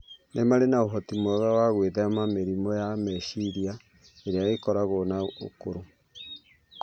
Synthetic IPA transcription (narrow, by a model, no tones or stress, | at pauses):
nemaɾenaoɦɔtimɔðawaɣweðeamameɾimɔjamɛʃiɾia | eɾeaɣekɔɾaɣonao̰koɾo